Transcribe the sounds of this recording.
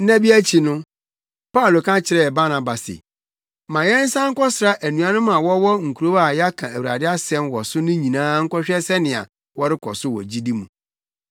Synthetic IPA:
nã˦bi˦æ˦t͡ɕʰi˨nʊ̃˦ | pa˦u˨lo˨kʰã˦t͡ɕʰɪ˨ɾɛ˦ɛ˨ba˦nã˨ba˨sɪ̰˨ | mã˨jɛ˦n̩˦sã˦ŋ̩˦kʰɔ˦sɪ˨ɾa˦ʔæ˨nũ˨ã˦nʊ̃˦mã˨wɔ˦wɔ˦ŋ̩˨kʰu˨ɾo˦a˦˨jɛ˦a˦kʰã˨æ˨wu˨ɾa̰˨dɪ˦a˦sɛ̃˦nwɔ˨sʊ˦nʊ̃˦ɲĩ˨nãː˦ŋ̩˦kɔ˦ɕᶣɛ˦sɛ˦nɪ̃˨a̰˨ | wɔ˦ɾɪ˦kʰɔ̰˨sʊ˦wɔ̰˨d͡ʑi˦di˦mũ˨

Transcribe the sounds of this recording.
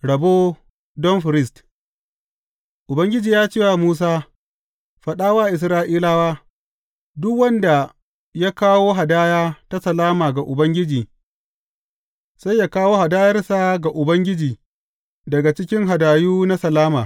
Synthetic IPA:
ɽɐ˨boː˦ | dɔ˦nɸɪ˨ɾɪ˦st | ʔʊ˨bɐ˦ŋɡʲɪ˦d͡ʒiː˨jaː˦t͡ʃeː˦˨wa˨muː˦s̬aː˦ | ɸɐ˨ɗaː˦waː˦ʔɪ˨s̬ɾaː˦ʔiː˦laː˦waː˦ | dʊ˦kwɐ˦nda˨ | jaː˦kaː˦woː˦ɦa˨daː˦jaː˦ta˦sɐ˨laː˦maː˨ɡa˨ʔʊ˨bɐ˦ŋɡʲɪ˦d͡ʒiː˨ | sa˦jːaː˦kaː˦woː˦ha˨daː˦jɐ˦rsa˨ɡa˨ʔʊ˨bɐ˦ŋɡʲɪ˦d͡ʒiː˨ | dɐ˨ɡa˨t͡ʃɪ˦kʲɪ˦ŋɦa˨daː˨juː˦na˦sɐ˨laː˦maː˨

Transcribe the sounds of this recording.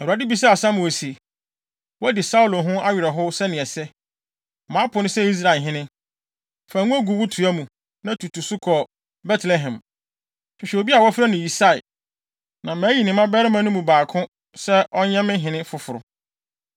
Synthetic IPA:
a˨dɪ˦bi˨s̬a˦a˨sã˦mʊ̃˨e˨si˨ | wɔ˦dɪ˨sa˦u˨lo˨ɦʊ̃˦a˦ɥɪ˨ɾɛ˨ɦʊ˦sɛ˦nɪ̃˨ɛ˨sɛ˦˨ | mãː˨˦pʰʊ˨˦nʊ̃˦sɛ˦i˦s̬ɾa˨ɪ˨ɦɪ̃˦nɪ̃˦ | fa˨ŋũ˦æ˦ɡu˨wʊ˦tʰu˨a˦mũ˨ | nã˦tʰu˨tʰu˨sʊ˦kʰɔ˨ | bɛ˦tʰlɛ˦ɦɛ̃˨m | fɪ˨ɕᶣɛ˨o˨bi˦a˨wɔ˦fɾa˦nʊ̃˨ji˨sa˦˨ɪ˨ | nã˨mæ̃ː˨˦ji˨nɪ̃˨mã˦bɛ˦ɾɪ˦mã˦nʊ̃˦mũ˨baː˨kʰʊ̃˦ | sɛ˦ʔɔ˦ɲɛ̃˦mɪ̃˦ɦɪ̃˨nɪ̃˦fʊ˨fʊ˨ɾʊ˨

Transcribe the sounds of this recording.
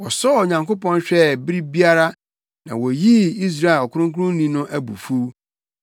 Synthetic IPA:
wɔ˨sɔ˦˨ɲã˨ŋko˦pɔ̃˦nɕᶣɛ˦˨bi˦ɾi˦bi˦a˦ɾa˦ | nã̰˨wɔ˨ji˦i˦s̬ɾa˦˨e˨lɔ˨kʰʊ˦ɾʊ̃˦ŋ˦kʰʊ˦ʊ̃˦n˦nĩ˦nʊ̃˦ʔæ˦bṵ˨fu˦

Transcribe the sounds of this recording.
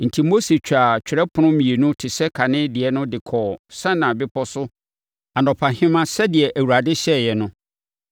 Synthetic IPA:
n̩˨tʰi˨mo˦se˨t͡ɕᶣa˨t͡ɕᶣʰɪ˨ɾɛ˦pʰʊ˨˦nʊ̃˦mĩ˨e˨nũ˦tʰɪ˨sɛ˦kʰa˨nɪ̃˦dɪ˨ɛ˨nʊ̃˦dɪ˨kʰɔː˨sã˦nã˨bɪ˦pʰɔ˦sʊ˦ | a˨nɔ̃˨pʰa˨hɪ̃˦mã˦sɛ˦dɪ˨ɛ˨ʔæ˨wu˨ɾa˨dɪ˦ɕɛ˦jɛ˨nʊ̃˦

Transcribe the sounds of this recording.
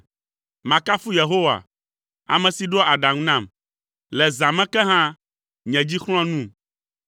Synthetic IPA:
mã˨ka˦fu˦je˨ɦo˦wa̰˨ | a̰˨mɛ̃˨si˨ɖɔ˦a˨ɖã˨ŋũ˦nã˦˨m | lɛ˨zã˨mɛ̃˦kɛ˦ɦã˦ | ɲɛ̃˨d͡ʑi˦xl̃ɔ̃˦nũ˦

